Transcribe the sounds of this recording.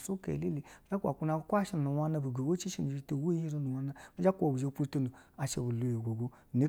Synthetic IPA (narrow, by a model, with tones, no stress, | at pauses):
su˦kḛ˨le˦li˨i˨˦d͡ʒa˦ku˦a˨kʷu˦na˧˦kʷa˦ʃi˦n˨nu˨wa˧na˧bi˨ɡo˨wo˦t͡ʃi˦ʃi˦n˨bi˧˦to˨wo˦i˦ɾi˧nu˨wa˧na˧mi˦d͡ʒa˦kʷo˨bu˨d͡ʒe˧pu˦to˧nu˨a˨ʃḛ˧˨bu˨lo˨je˨ɡʷo˨ɡo˦˨ne˨˦